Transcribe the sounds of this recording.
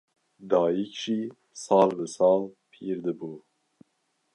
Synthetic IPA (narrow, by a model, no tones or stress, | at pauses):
d̪ɑːjikʒi | sɑːlbəsɑːlpʰiːɾd̪ɨbuː